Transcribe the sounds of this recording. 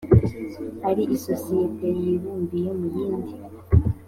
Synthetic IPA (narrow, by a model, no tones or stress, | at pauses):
haɾiʔisosietejiɾuːmbijemujiːndi